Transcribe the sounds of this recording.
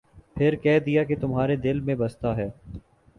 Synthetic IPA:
pʰɪɾkɛːɦd̪ijaket̪ʊmɦaːɾed̪ɪlmẽbɐst̪aɦɛː

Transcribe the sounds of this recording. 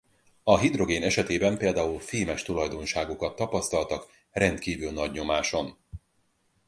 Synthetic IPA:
ɒɦid̪ro̞ɡeːnɛʃɛt̪eːbɛmpeːld̪aːulfiːmɛʃt̪ulɒjd̪o̞nʃaːɡukɒt̪ːɒpɒst̪ɒlt̪ɒk | rʔɛnt̪kiːvylnɒɟɲo̞maːʃo̞n

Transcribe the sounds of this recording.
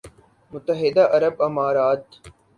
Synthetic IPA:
mʊt̪ːəɦɪd̪aːʔɐɾəbɐmaːɾaːt̪

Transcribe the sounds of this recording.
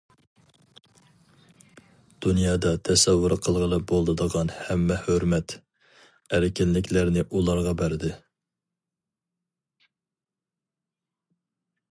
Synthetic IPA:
d̪̥unjɑːd̪ɑt̪ʰɛsɛwːʊɾqʰəlˠʁəlˠɨp̚bolˠd̪ɨd̪əʁɑnhɛmːɛhøɾmɛt̪ | æɾkʲɪnlɪkʲʰlæɾnɪʔulˠɑɾʁɑbæɾɪd̪ɪ

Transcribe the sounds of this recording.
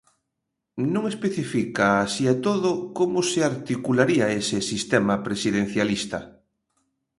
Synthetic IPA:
nũŋespeθifikaːsiat̪oðʊkomʊsɪaɾt̪ikulaɾiaesɪsist̪ɛmapɾesiðen̟θjalist̪ɐ̰

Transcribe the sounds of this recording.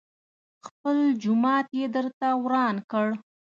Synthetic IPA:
xpəld͡ʒʊmɑt̪jed̪əɾt̪awɾɑnkəɽ

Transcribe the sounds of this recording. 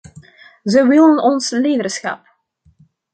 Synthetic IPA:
zəwɪlˠənɔnsleːdərsxɑ̰p̚

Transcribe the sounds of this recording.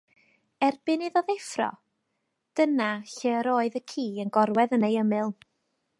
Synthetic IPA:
ɛrb̥ɪnɪðɔðɛfrɔ̰ | d̥ənaɬɛɾoːɨðəkʰiːənɡɔɾwɛðənejəmɨlˠ

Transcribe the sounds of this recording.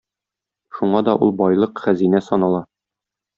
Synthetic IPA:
ʃuɴɑd̪ɒʔulˠbɒjlˠɤqχæzinæsɒnɑlˠɑ

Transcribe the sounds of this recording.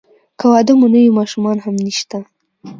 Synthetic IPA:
kawɑd̪ɪmonəwimɑʃumɑnɦamniʃt̪a

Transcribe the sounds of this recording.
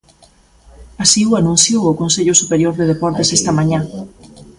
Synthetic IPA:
asiuanũn̟θjowokonseʎosupeɾjoɾðeð̞epɔɾt̪esest̪ɐmãɲa

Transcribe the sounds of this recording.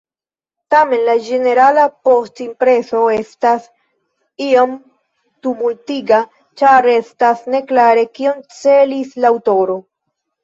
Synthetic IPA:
tame̞nlad͡ʒe̞ne̞ɾalapo̞stimpɾe̞so̞e̞stas | iam | tumultiɡa | t͡ʃaɾe̞stasne̞klaɾe̞kio̞nt͡se̞lislaːwto̞ɾo̞

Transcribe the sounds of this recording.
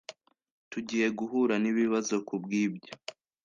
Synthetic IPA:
tuɟiːje̞ɡuɦuɾaniβiβazo̞kubɡiːbɟo

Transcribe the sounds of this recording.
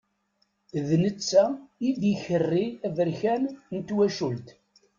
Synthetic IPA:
ðnət͡sːæid̪içərːiævəɾçænnt̪wæʃult̪

